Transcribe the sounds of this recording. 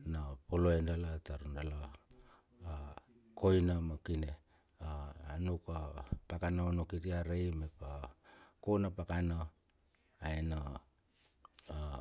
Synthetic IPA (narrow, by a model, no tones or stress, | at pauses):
napoloendalataɾundala | ko̞jnamakine | aːnukapakanaonokitiaɾejmepakonapakana | aena